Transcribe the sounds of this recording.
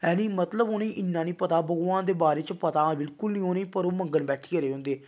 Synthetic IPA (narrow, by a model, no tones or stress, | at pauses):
ɛːnĩːmət̪ləboːneĩːʔɪnːãːniːpət̪aːbəɡʋãːnd̪eːbaːɾeːt͡ʃpət̪ãːbɪlkʊlnĩːoːneĩːpəɾoːməŋɡənbɛːʈʰiːkəɾeːɦʊ̃nd̪eː